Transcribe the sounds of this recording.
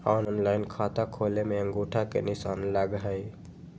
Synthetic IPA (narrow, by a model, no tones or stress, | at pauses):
ɔːnɔːnlaːɪnkʰaːt̪akʰoːlemẽə̃ŋɡoːʈʰakḛnɪsaːnlaɡɦəi